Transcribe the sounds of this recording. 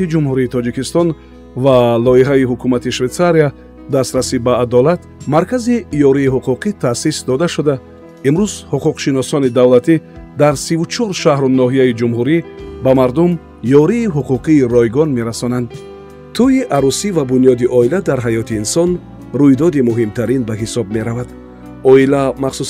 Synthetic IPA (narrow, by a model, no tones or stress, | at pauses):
id͡ʒumhuɾiːt̪ʰɔd͡ʒikist̪ɔn | valɔiɦaiɦukʰumat̪iʃvet̪saɾia | d̪ast̪ɾasibaːd̪ɔlat̪maɾkazijɔɾiːɦuquqit̪ʰasisd̪ɔd̪aʃud̪a | imɾuzhuquqʃinɔsɔnid̪avlat̪ʰid̪aɾsivut͡ʃʰɔɾʃahɾunɔɦijaid͡ʒumɦuɾibamaɾd̪um | jɔɾiːɦuquqʰiːɾɔjɡɔnme̞ɾasɔnand̪ | t̪ʰuiʔaɾusivabunjɔd̪iʔɔilad̪aɾɦajɔt̪ʰiːnsɔn | ɾujd̪ɔd̪imuɦimt̪ʰaɾinbaɦisɔb̚me̞ɾavad̪ | ɔilamaχsu